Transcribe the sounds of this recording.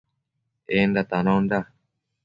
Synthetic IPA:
end̪at̪anõnd̪a

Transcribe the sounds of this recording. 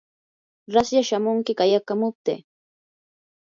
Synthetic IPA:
ɾasjaʃamʊŋkɪkajakamʊp̚t̪ḛː

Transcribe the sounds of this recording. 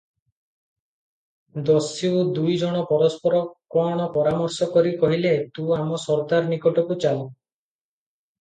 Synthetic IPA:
d̪ɔsiwd̪ujd͡ʒɔɽ̃ɔpɔɾɔspɔɾɔkɔɽ̃ɔpɔɾamɔɾsɔkɔɾikɔɦilet̪uamɔsɔɾt̪aɾnikɔʈɔkut͡ʃalɔ

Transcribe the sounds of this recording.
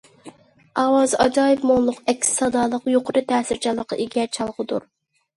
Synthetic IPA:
ɑwɑzɑd͡ʒɑːjɨpmonlˠʊqɛkʲsɑd̪ɑːlˠəqjoqʰʊɾɨt̪ʰɛːsɪɾt͡ʃʰɑlˠːəqʰːɑ̰ʔiɡʲɛt͡ʃʰɑlˠʁəd̪ṵɾ

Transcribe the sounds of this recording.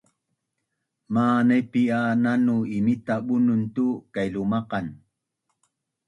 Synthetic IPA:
maːnajpiananʊimit̪aɓʊnʊnt̪ukajlʊmɑqɑn

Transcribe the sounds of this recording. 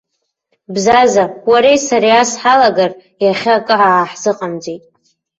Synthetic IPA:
bzazawaɾejsaɾiasħalaɡar | jaχʲaakʼɨʕaːħzɨqʼamd͡zetʼ

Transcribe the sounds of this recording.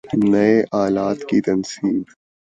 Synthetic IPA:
nɐeʔaːlaːt̪kit̪ɐnsiːb

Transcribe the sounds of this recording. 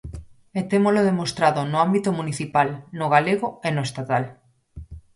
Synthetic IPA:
et̪emoloðemost̪ɾaðonʊambit̪omuniθipalnoɣaleɣoenoest̪at̪al

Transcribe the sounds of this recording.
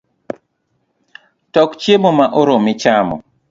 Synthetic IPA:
tɔkt͡ʃjemomaʔoɾomɪt͡ʃamɔ̰

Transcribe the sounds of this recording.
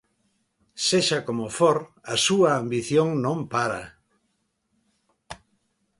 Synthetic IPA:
seʃɐkomofoɾɐsuɐambiθjoŋnõmpaɾɐ̰

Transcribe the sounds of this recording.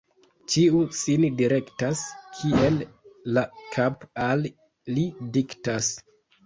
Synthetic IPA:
t͡ʃiusindiɾe̞ktaskʰie̞llakʰapalː | idiktas

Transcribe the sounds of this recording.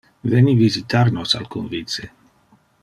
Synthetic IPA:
venivizit̪arnosa̰lkunvit̪se

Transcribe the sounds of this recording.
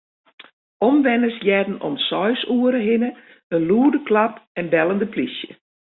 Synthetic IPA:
ɔmʋɛnəsjɛːdn̩ɔ̰nsɔjsuəɾəɦɪnə | ənluədəkʰlapɛnbɛlˠəndəpʰlisjə

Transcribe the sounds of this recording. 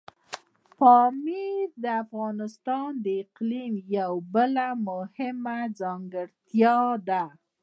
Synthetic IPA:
pɑmid̪əafɣɑnɪst̪ɑnd̪əɪqlimjawbəlamʊhɪmad͡zɑŋɡəɽt̪jɑd̪a

